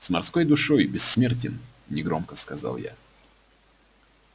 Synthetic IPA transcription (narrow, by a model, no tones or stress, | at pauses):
smɐrsko̞jd̪ʊʂojbʲɪsːmʲertʲɪn | nʲɪɡɾo̞̰mkəskɐza̰lˠja̰